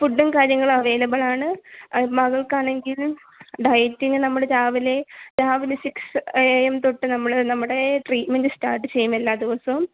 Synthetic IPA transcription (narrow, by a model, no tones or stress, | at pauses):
puɖːɐnkaːɾjɐŋːɐɭɐʋe̞ːlɐbɐɭaːɳɨmɐɣɐɭkaːɳe̞ŋɡil | ɖɐjtːinɨnɐmːuɽet͡ɕaːʋile̞t͡ɕaːʋinɨsiksjemt̪oʈːɨnɐmːuɭnɐmːuɽe̞ʈriːʈmendɨstaːrʈːɨt͡ɕe̞jːumelːaːd̪iʋɐsɐm